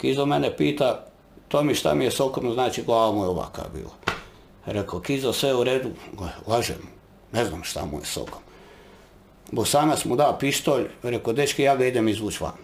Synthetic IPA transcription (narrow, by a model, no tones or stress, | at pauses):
kizomenepiːt̪a | t̪oːmiʃt̪a̰mijesokomznaːt͡ʃiɡlˠaːʋamujeoʋa̰ka̰bḭːlˠa | ɾekʰokizosʋeuɾeːd̪uɡlaʒḛmu | neznamʃt̪a̰mṵjḛso̰kom | bosaːnasmud̪aopist̪oːʎɾekod̪et͡ʃkijaːɡaid̪emizʋuːt͡ʃʋa̰n